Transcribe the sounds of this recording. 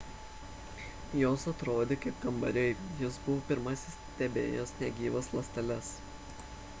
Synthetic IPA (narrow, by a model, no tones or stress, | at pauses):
joːsɐt̪ɾoːd̪ʲeːkɐɪp̚kɐmbɐɾʲɛɪjɪsbʊʋoːpʲɪɾmɐsʲɪst̪ʲɛbʲḛːjoːsnʲɛɡʲiːʋɐslˠɐsʲt̪ʲɛlʲɛs